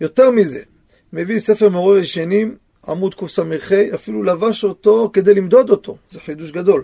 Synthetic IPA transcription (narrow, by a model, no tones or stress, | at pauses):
jo̞t̪eʁmize̞̰ | mevise̞feʁmoʁeveʃenim | a̰mud̪kufsameʁχejafilulavaʃo̞t̪o̞ked̪e̞jlimd̪o̞d̪o̞t̪ʰo̞zeħid̪uʃɡad̪o̞l